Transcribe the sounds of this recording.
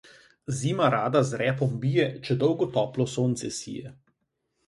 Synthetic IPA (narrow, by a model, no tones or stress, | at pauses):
ziːmaɾaːd̪azɾɛːpɔmbiːjɛt͡ʃɛd̪ɔwɡɔt̪ɔːplɔsoːnt̪sɛsḭjɛ